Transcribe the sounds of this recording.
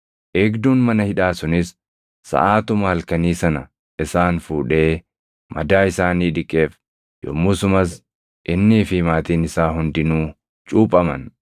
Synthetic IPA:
ʔeːɡd̪uːnmɐnɐhɪᶑaːsʊnɪs | sɐ̰ʔaːt̪ʊmɐhɐlkɐniːsɐnɐ | ʔɪsaːnfuːᶑe̞ː | mʔɐd̪aːɪsaːniːᶑɪkʼːe̞ːf | jɔ̰mːʊsʊmɐs | ʔɪnːɪːfɪmaːt̪iːnɪsaːhʊnd̪ɪnuː | t͡ʃʼuːpʼːɐmɐ̰n

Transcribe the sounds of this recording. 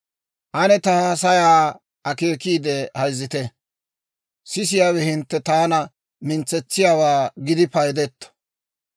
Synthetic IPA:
ʔɐnɛt̪ɐhɐs̬ɐjaː | ʔɐke̞ːkiːd̪ɛhɐjzːɪt̪ɛ | sɪsɪjaːwɛhɪnt̪ːɛt̪aːnɐ | mɪnt͡sːɛt͡sːɪjaːwaːɡɪd̪ɪpɐjd̪ɛt̪ːɐ̥

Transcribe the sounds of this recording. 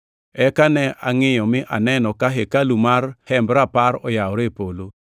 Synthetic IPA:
ɛkanɛʔaŋɪjɔmɪʔanɛnɔkaɦekalumarhɛmbɾapaɾɔjaɔɾepolo

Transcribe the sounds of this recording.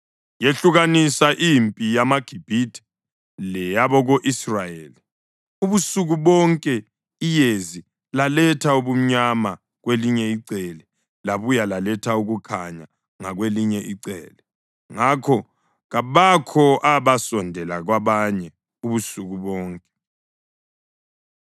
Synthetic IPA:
jeɬuɣanisaʔimpʼijamaɡ̥ʱib̥ʱitʰi̥ | lɛjaβɔɣoʔisrajeːli | uβusuɣuβɔŋkʼɛ | ijezi | lalɛtʰauβum̩ɲama | ɣweliɲɛiǀɛlɛ | laβujalalɛtʰauɣukʰaɲa | ŋaɣweliɲɛʔiǀɛ̰ːlɛ | ŋakʰɔ | ɣaβakʰɔʔaβasɔndʱɛlaɣwaβaɲɛ | uβusuɣuβɔːŋkʼɛ̥

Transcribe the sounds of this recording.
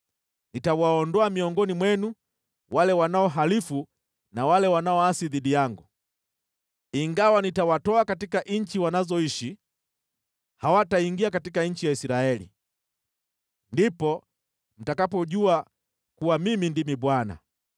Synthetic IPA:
nitawaɔndɔamiɔŋɡɔnimwɛnu | walɛwanaɔɦalifu | nawalɛwanaɔasiðiɗijaŋɡu | iŋɡawanitawatɔakatikaʔɲ̩t͡ʃiwanazɔiʃi | hawataiŋɡiakatikaɲ̩t͡ʃijaisiɾaɛlḭ | ndipɔ | m̩takapɔʄua | kuwamimindimiɓwana̰

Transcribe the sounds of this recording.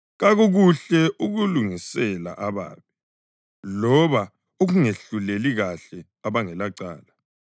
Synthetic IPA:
ɣaɣoɣuɬɛʔuɣuluŋisɛla̰ʔaβa̰ːβi | lɔβa | oɣuŋeɬuleliɣaɬɛ | aβaŋɛlaǀa̰ːla

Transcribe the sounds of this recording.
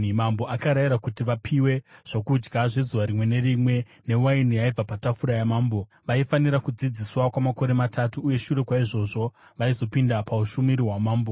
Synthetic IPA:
mambo̞ʔakaɾajiɾakutiʋapʰiwe̞ʐ̥okud͡ʒɡaʐe̞zuʋaɾimwe̞ne̞rimwe̞ | ne̞wainijaib͡vapatafuɾajamaːmbo̞ | ʋaifaniɾakud͡zid͡ziswakwamako̞ɾe̞matʰatuːje̞ʃure̞kwaiʐo̞ʐo̞ʋaizo̞pindapauʃumiɾiɦwamaːmbo̞

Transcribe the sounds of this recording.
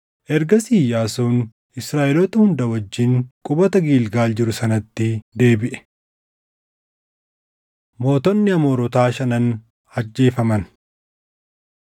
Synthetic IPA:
ʔɛɾɡɐsiːjaːsuːn | ɪsɾaːʔɪlɔt̪ɐhʊnd̪ɐwɐd͡ʒːɪŋkʼʊbɐt̪ɐɡiːlɡaːld͡ʒɪɾʊsɐnɐt̪ːɪd̪e̞ːbɪʔɛ̥ | mo̞ːt̪ɔnːɪɐmoːɾɔt̪aːʃɐnɐn | hɐd͡ʒːe̞ːfɐmɐn

